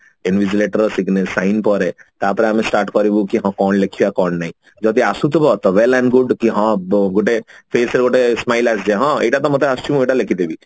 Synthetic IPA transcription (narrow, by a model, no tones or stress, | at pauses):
ɛnʋid͡ʒileʈəɾɔsiknesaɪnpɔɾet̪ɔapɾẽamẽsʈaːɾʈkɔɾibukiɦãkɔːnlekʰiakɔːnnaĩ | d͡ʒɔt̪iasut̪ɔbɔt̪ɔʋelɛ̃ɳɖɡʊɖkiɦãɡoʈepʰeːseɾɡoʈesmaːɪlasd͡ʒeɦãeʈat̪ɔmɔt̪ʰeast͡ʃumũeʈalekʰit̪ebi